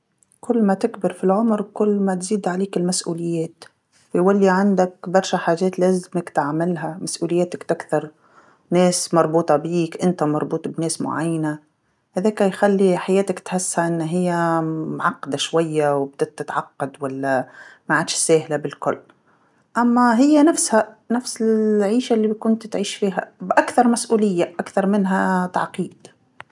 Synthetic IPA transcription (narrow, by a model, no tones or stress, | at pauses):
kʊlːmat̪ɪkbɪɾfilʕʊmɾkʊlːmat̪ziːd̪ʕaleːkɪlmasʔuːlɪjːeːt̪ | wjwalːiʕand̪akbɑɾˤʃaħaːʒeːt̪leːzmakt̪ʕamɪlɦamasʔuːlɪjːeːt̪akt̪akθɑɾˤ | neːsmɑɾˤbuːt̪ˤɑbiːkʔɪnt̪amɑɾˤbuːt̪ˤbneːsmʊ̰ʕajːana | haðeːkajxalːiħajeːt̪akt̪ħɪsːhaʔɪnːɦɪjːamʕɑqːɑd̪aʃwajːawb̚d̪̥at̪ːɪt̪ʕɑqːɑd̪walːamaʕaːd̪ʃsaːhlabɪlkʊ̰lː | ʔamːaɦɪjːanafshanafsɪʕiːʃalːikʊnt̪t̪ʕiːʃfiːɦa̰bʔakθɑɾˤmasʔuːlɪjːaʔakθɑɾˤmɪnɦat̪a̰ʕqiːd̪̥